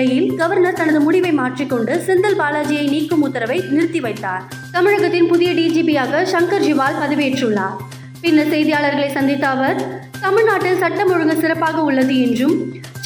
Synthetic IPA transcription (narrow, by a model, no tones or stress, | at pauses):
ɐjɪlɡɐʋɐɾnɐɾt̪ɐnɐðɯmʊɽɪʋɐɪmaːʈrikːɔɳɖɯsɛnd̪ɐlbaːlaːd͡ʒɪjɐɪniːkːɯmʊt̪ːɐɾɐʋɐɪnɪɾɯt̪ːiʋɐɪt̪ːaːɾ | t̪ɐmɪɻɐɣɐt̪ːɪnpʊðɪjɐɖiːd͡ʒiːpijaːɣɐʃɐŋkɐɾd͡ʒɪʋaːlpɐðɯʋeːʈrɯɭːaːɾ | pɪnːɐsɛjðɪjaːɭɐɾɣɐɭɐɪsɐnd̪ɪt̪ːaːʋɐɾt̪ɐmɪɻnaːʈːɪlsɐʈːɐmɔɻɯŋɡɐsɪɾɐpːaːɣɐʊɭːɐðɯɛndrɯm